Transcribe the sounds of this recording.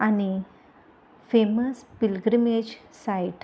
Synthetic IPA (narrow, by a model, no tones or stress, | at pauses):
añi | feməspilɡɾimed͡ʑsajʈ